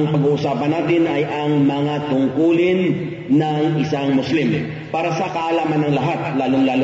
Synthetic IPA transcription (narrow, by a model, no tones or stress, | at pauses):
ŋpɐɡuːʔʊsaːpɐnːaːt̪ɪnɐjʔɐŋmɐŋat̪ʊŋkuːlɪnː | ɐŋɪsaŋmʊslim | paːɾɐsɐkɐʔɐlaːmɐnːɐŋlɐɦat̪̚laːloŋlaːl